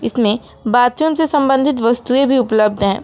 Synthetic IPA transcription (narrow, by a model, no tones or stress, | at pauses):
ɪsmẽ | baːt̪jumsesɐ̃mbə̃nd̪ʱɪt̪̬ʋɐst̪uẽbʱiʊpləb̚d̪ɦɛ̃ː